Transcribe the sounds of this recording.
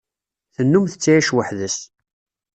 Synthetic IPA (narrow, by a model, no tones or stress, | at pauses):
θənːumθət͡sːajæʃwəħðəs